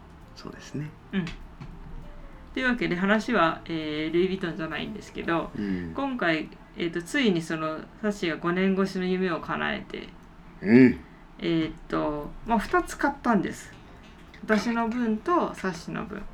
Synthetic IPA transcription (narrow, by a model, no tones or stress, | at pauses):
so̰ːd̪esɨne̞ | ɯ̟̃ɴ | t̪o̞jiɯ̟βake̞d̪e̞ɦanaɕiβaeːɾɯ̟ibʲit̪õ̞ɲ̟d͡ʑanaḭ̃nd̪e̞sɨ̥ke̞d̪o̞kõ̞ŋkai | ḛːt̪ːo̞t͡sɨiɲ̟iso̞no̞saɕiɡaɡo̞nẽ̞ŋɡo̞ɕino̞jɯ̟me̞o̞kʰana̰ḛt̪e̞̰ | eːt̪ːo̞maɸɯ̟̥t̪at͡sɨ̥kat̪ːãnd̪e̞sɨ̥ | βat̪aɕino̞bɯ̟̃nt̪o̞saɕːino̞̰bɯ̟̰̃ɴ